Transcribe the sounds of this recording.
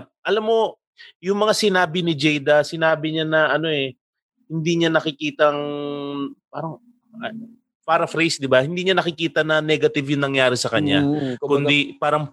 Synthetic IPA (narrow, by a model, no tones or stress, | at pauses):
ʔɐlamːo̞ | jʊŋmɐŋasɪnaːbɪnɪd͡ʒɛjd̪ɐsɪnaːbɪɲanɐʔɐno̞ʔɛ | hɪnd̪iɲanɐkɪkiːt̪ɐŋ | paːɾɐŋ | paːɾɐfɾɛjsd̪ɪbahɪnd̪iːɲanɐkɪkiːt̪ɐnɐnɛɡɐt̪ɪvjʊŋnɐŋjaːɾɪsɐkɐɲːakʊnd̪ipaːɾɐŋ